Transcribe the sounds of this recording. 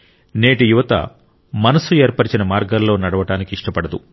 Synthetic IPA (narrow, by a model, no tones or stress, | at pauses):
ne̞ːʈijuʋɐt̪ɐ̰ | mɐnɐsue̞ːɾpɐɾit͡ʃinɐmaːɾɡɐlːo̞ːnɐɽɐʋɐʈaːnikiiʂʈɐpɐɽɐd̪ṵ